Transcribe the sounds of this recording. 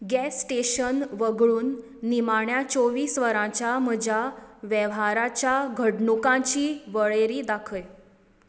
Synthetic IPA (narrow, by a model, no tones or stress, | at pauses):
ɡɛsːʈeɕənʋəɡɭuːnː | imaɳjat͡soʋiːsʋəɾãt͡ɕjam̤əd͡ʑʱaʋjəʋɦaɾat͡ɕjaɡʱəɽɳukãt͡ɕiːʋəɭeɾiːd̪akʰəj